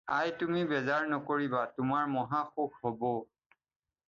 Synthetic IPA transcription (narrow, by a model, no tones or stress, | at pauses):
ajtumibɛzaɹnɔkoɹibatʊmaɹmɔɦaxukhɔbɔ